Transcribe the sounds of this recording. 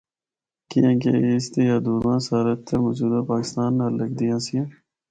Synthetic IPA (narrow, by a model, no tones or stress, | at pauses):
kijãːkḛeːst̪eːjaːd̪uːɾmãːsaːɾət̪ʰːemod͡ʒuːd̪aːpaːkɪ̥st̪aːnːələkd̪ijãːsijã